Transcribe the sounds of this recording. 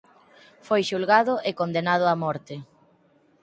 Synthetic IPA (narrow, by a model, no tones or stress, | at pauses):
fojʃulɣaðʊʔekond̪enað̞ʊamɔɾt̪ɪ